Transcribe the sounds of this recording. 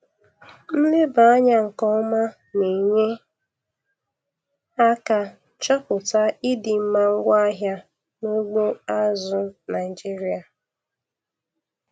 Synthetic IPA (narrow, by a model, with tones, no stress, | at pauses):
n̩˦lɪ˦ba˨a˦ɲa˨ŋ̩˨kɔ˦ma˦ | ne˨ɲe˦ | a˦ka˦ | t͡ʃɔ˦pʊ˨ta˦ɪ˦dɪ˨m̩˦ma˦ŋ̩˦ɡʷa˦ɦja˦ | nʊ˦ɡ͡bo˦a˦zʊ˦na˨ɪ˨d͡ʒi˦ɾi˨a˨